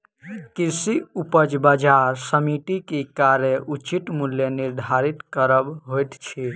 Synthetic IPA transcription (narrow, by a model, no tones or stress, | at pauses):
kisiupəd͡ʒbad͡ʒaɾsəmiʈikekaɾjeʔut͡ʃit̪muljeniɾd̪ʱaɾit̪kəɾəbɦojt̪t͡ʃʰi